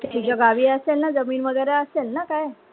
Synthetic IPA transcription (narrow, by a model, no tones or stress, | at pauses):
t̪et̪id͡ʑaɡaʋiːəselnad͡zəmiːnʋəɡ̪əɾjaəselnakaj